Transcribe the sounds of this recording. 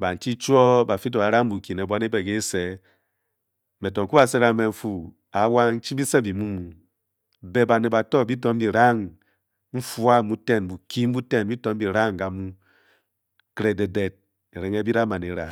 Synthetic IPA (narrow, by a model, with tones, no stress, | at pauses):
ba˨n̩˨t͡ʃi˦t͡ʃu˦ɔ˦ba˨fi˦t̬o˨a˨˦ɾa˦ŋ˦bu˨ki˨ne˨bʷwa˦ne˦be˨ke˦se˨˦ | me˨tɔ˨ŋ˨ku˦ba˨se˦ɾa˨˦me˨m̩˦fu˦ | a˨˦wa˦n̩˦t͡ʃi˦bi˦se˦bi˨mu˦mu˨ | be˨ba˨ne˨ba˨tɔ˦˨bi˦tɔ˦m̩˦bi˨ɾa˦ŋ | ɱ̩˦fu˦a˦mu˦te˦˨nbu˨ki˦m̩˦u˦te˦nbi˦tɔ˦m̩˦bi˨ɾa˦ŋ˨ka˨mu˦ | kɾe˨de˨de˨t̚ | e˨ɾe˨˦ŋe˦bi˦ɾa˦ma˨ne˨˦ɾa̰˨